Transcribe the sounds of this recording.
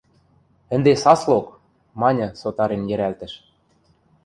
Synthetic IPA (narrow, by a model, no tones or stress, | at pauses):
ɘ̆nd̪esɑslok | mɑnʲɤ̆sot̪ɑɾenjɘ̆ɾælt̪ə̆ʃ